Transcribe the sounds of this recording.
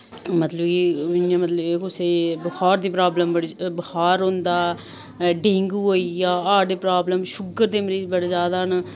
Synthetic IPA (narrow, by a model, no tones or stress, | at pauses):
mət̪ləbkiɪjãːmət̪ləbekʊseːbəhaːɾd̪iːpɾaːbləmbəɽibəhaːɾɦõnd̪aː | ɖẽːŋɡuːoːijaːaːɾd̪eːpɾaːbləmʃʊɡəɾd̪eːməɾiːd͡ʒbəɽeːd͡ʒjaːd̪aːn